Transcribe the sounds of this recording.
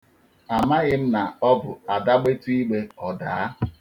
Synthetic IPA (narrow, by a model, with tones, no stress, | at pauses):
a˨ma˦ɣɪ˦m̩˦na˨ɔ˦bʊ˨a˨da˦ɡ͡be˦tu˦i˦ɡ͡be˦ɔ˨da̰ː˨a˦